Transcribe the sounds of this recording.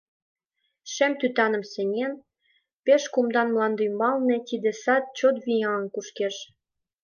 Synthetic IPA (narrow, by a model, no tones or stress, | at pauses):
ʃemt̪yt̪ɑnə̆msenʲen | peʃkumd̪ɑnmlɑnd̪ymbɑlnet̪id̪esɑt̪̚t͡ɕot̪βijɑnkuʃkeʃ